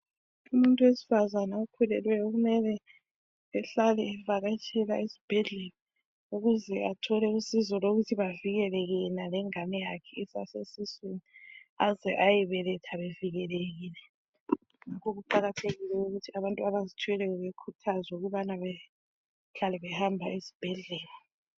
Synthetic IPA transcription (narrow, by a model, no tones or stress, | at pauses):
umuntʼuwesi̥fazanaukʰulɛlwɛjoɣumɛlɛ | ɛɬalɛːvaɣat͡ʃʰʼɛlaizi̥b̥ʱɛɮɛla | uɣuzɛatʰɔlɛusizɔloɣutʰiβaviɣɛlɛɣɛnalɛŋamɛjakʰɛisa̰sesisweniazɛʔajɛβɛlɛtʰaβeviɣɛleɣiːlɛ | ŋakʰoɣuǃaɣatʰeɣilɛuɣutʰiaβantʼuaβazitʰujɛlɛɣɛβekʰutʰazwɛuɣuβanaβɛ | ɬalɛβɛhambʱaizi̥b̥ʱɛɮɛːlɔ